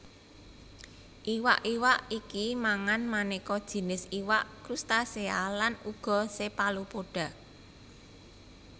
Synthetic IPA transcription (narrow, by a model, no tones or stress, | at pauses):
ʔiwa̰ʔiwaʔikimaŋanmanikɔd̥ʒ̥i̤nɪsiwaʔkɾust̪asealanuɡ̥ɔ̤sepalupoɖ̥a̤